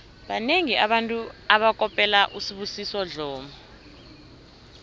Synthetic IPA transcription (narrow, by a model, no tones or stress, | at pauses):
ɓaneŋiʔaɓantʼuaɓakʼɔpʼɛlaʔusiɓusisɔɮɔːmɔ